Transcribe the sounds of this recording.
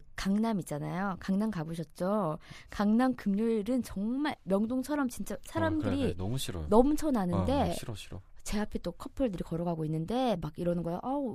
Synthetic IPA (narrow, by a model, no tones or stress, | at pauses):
kaŋnamit̚t͡ɕ͈anajokaŋnamkabuɕ̬ʰʌt̚t͡ɕ͈okaŋnamkɯmɲoɭɾɯnt͡ɕʌŋmaɭmjʌŋdoŋt͡ɕʰʌɾʌmt͡ɕint͡ɕ͈asʰaɾamdɯɾinʌmut͡ɕʰʌnanɯnde̞ | t͡ɕe̞apʰe̞t͈okʰʌpʰɯɭdɯɾikʌɾʌɡaɡoinːɯnde̞maɡiɾʌnɯnɡʌjoʔau